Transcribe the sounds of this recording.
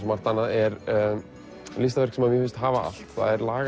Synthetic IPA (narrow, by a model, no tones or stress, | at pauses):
smar̥t̪anːaðɛɾ | list̪avɛr̥ksɛmaðmjɛfɪnst̪ɦaːvaa̰l̥t̪θa̰ðɛɾlaːɣ